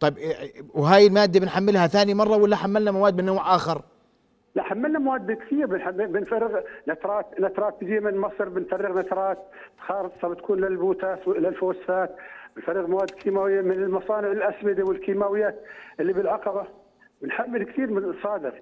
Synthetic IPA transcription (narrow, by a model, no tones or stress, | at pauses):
t̪ˤɑbwɦaːjɪlmaːd̪ːabɪnħamːɪlhaθaːnimɑrˤːɑwɪlːaħamːalnamawaːd̪mɪnːoːʕʔaːxɑɾˤ | laħamːɪlnamawaːd̪̚bɪkt̪iːɾbɪnħabɪnfarːɪɣnat̪ɾˤɑːt̪nat̪ɾˤɑːt̪̚bɪd̪iːmɪnmɑsˤɨɾbɪnfarːɪɣnat̪ɾˤɑːt̪̚ | t̪xɑːɾɨt̪ˤsɑbt̪ḁkʰuːnlɪlbuːt̪aːswlalfowasfaːt̪bɪnfarːɪɣmawaːd̪ːkʰiːmaːwɪjːamɪnɪlmɑsˤɑːnɪʕɪlʔaswɪd̪awɪlkiːmaːwɪjːaːt̪ʔɪlːibɪlʕɑqɑba | bɪnħamːɪlkt̪iːɾmɪsˤɑːd̪ɪɣ